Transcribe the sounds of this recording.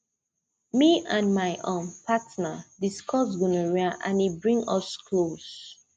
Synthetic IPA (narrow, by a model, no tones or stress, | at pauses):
miãnmaɪʔõnpʰatnədiskʰɔsɡunəɹiaʔã̰nibɹĩŋʌskʰlos